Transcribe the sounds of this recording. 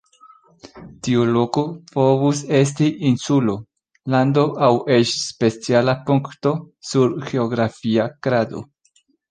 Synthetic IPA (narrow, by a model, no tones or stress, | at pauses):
tiulo̞kopo̞vus̬e̞s̬tiʔinsulo | lando̞ʔawʔe̞t͡ʃspe̞t͡sialapuŋkto̞ | suɾɡe̞oɡɾafiakɾado̞̰